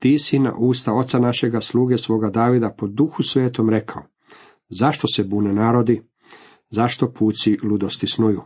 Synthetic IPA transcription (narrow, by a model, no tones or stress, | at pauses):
t̪iːsina̰ʔuːst̪ao̞t̪sanaʃe̞ɡaslˠuːɡesʋo̞ːɡad̪aːʋid̪apo̞d̪uxusʋeːt̪o̞mɾe̞kʰao | zaʃt̪o̞sebuːnenaːɾo̞d̪i | zaʃt̪o̞pʰuːt̪silˠud̪ost̪isnuju